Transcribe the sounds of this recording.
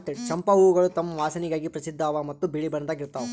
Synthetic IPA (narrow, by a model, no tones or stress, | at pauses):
ʈːt͡ʃɐmpɐuːɡɐɭut̪ɐmːɐʋaːsɐniɡaːɡipɾɐsid̪ʱːaːʋamɐt̪ːubiɭibɐɳɐd̪aːɡiɾt̪ːaːʋu